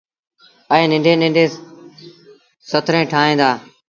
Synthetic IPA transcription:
əẽːnɪ̃ɳɖʱẽːnɪ̃ɳɖeː | sət̪ʰɾẽːʈʰaːɦẽːd̪aː

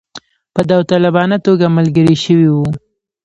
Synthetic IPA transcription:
pəd̪awt̪alabɑnat̪oɡaməlɡəɾiʃəwiwu

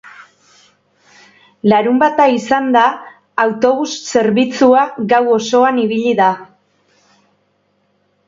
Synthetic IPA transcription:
laɾumbat̪aisand̪aː | wt̪o̞β̞usːe̞ɾβit͡suaɡawo̞so̞aniβiʎiða

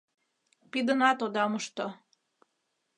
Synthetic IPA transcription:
pid̪ənɑt̪od̪ɑmuʃt̪o

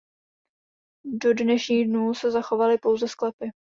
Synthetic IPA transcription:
do̞dnɛʃɲiːɣdnuːsɛzaxo̞valɪpo̞wzɛsklɛpɪ

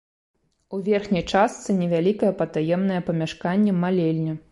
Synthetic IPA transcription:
uvʲɛrxnʲɐjt͡ʂast̪sɨnʲɛvʲalʲikɐjɛpɐt̪ajɛmnɐjɐpɐmʲaʂkanʲːɛmalʲelʲnʲɛ

